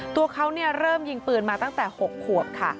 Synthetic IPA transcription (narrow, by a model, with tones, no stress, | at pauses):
t̪u˧ɐkʰa˦˥wni˥˩əɾɤː˥˩mji˧ŋpɯː˨˩nmaː˧t̪a˥˩ŋt̪ɛː˨˩ho˨˩kʰːu˨˩əp̚kʰa̰˥˩